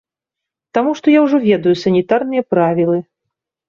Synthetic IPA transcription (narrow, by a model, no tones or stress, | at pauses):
t̪amuʂt̪ɔjawʐɔvʲɛd̪ujusɐnʲit̪arnɨjɐpɾavʲilˠɨ